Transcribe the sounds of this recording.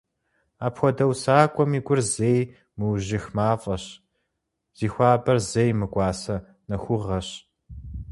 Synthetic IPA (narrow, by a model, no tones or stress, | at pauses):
aːpxʷɔdɐwsaːkʷʼɔmiːɡʷʼʊrzej | mɨwʑɪxmaːfʼɐɕ | z̥iːxʷɑːbɐrzejmɨkʷʼɑːsɐ | nɐxʷʊʁɐɕ